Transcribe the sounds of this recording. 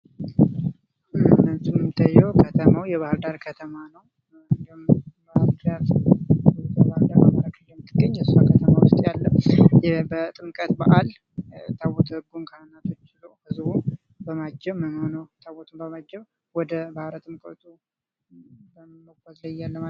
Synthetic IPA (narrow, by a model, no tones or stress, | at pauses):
ɨnənsumɨmt̪ʰajːɛwkʰət̪ʰəmawjɛβahɨɾd̪aɾkʰət̪ʰəmanəw | ɨnd̪ihumbaɾt̪ɾjat̪ɨt̪bahɨɾd̪aɾa̰maɾakɨjɛmːɨt̪ʰːɨɡːəɲːjɛsuakʰət̪ʰəmawʊst̪ʼjalːəjɛbət̪ʼɨmkʼət̪baʔal | t̪ʰawot̪ʰəɡunkʰanɨnːat̪ʰot͡ʃːɪləwbɨzubum | bəmad͡ʒːɛwməmhonəwt̪ʰawɔt̪ʰumbəmad͡ʒːɛw | wɔd̪əbahɾət̪ʼɨmkʼət̪ʰʼu | bəmməɡʷazləjːalːəma